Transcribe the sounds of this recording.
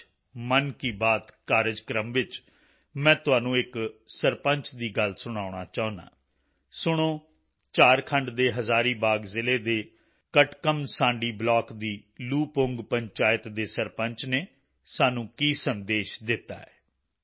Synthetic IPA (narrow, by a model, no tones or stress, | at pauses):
mənkiːbaːt̪kaːɾɪd͡ʒkɾəmʋɪt͡ʃ | mɛ̃ːt̪ʊɦaːnũːɪksəɾpəɲt͡ʃd̪iːɡəlsʊɽ̃aːʊɽ̃a̰ːt͡ʃaːʊ̃na̰ː | sʊɽ̃oː | t͡ʃaːɾkʰəɳɖd̪eːɦəzaːɾiːbaːɡzɪleːd̪eː | kəʈkəmsãːɳɖiːblɔːkd̪iːluːpʊŋɡpəɲt͡ʃaːɪt̪d̪eːsəɾpəɲt͡ʃneː | saːnũːkiːsənd̪eːʃd̪ɪt̪ːa̰ːɛː